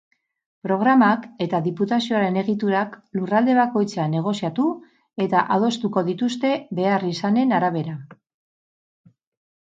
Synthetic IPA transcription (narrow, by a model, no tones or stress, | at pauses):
pɾo̞ɣ̞ɾamake̞t̪aðiput̪asio̞aɾe̞ne̞ɣit̪uɾaklurald̪e̞β̞ako̞jt͡sane̞ɣ̞o̞siat̪u | e̞t̪aʔað̞o̞st̪uko̞ðit̪ust̪e̞βe̞arisane̞naɾaβ̞e̞ɾa